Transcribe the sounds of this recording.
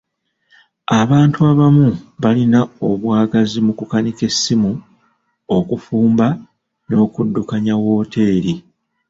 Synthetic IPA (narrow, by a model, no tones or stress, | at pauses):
aβaːntuaβamuβalinao̞βwaːɡazimukukanike̞sːimu | o̞kufuːmba | no̞ːkudːukaɲawo̞ːtʰe̞ːɾi